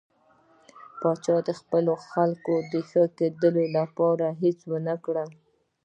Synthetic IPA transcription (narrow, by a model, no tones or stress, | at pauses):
pɑt͡ʃɑd̪əxpəloxalkod̪əxəked̪əlolapɑɾaɦet͡swənakɽəl